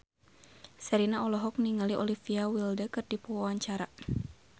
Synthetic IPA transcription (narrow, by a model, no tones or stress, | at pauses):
sɛɾinaɔlɔɦɔk̚niŋaliʔɔlifiawildəkɨrdipɔwawaɲt͡ʃaɾa